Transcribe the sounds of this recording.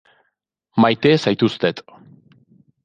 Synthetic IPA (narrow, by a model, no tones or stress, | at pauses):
majt̪esajt̪ust̪et̪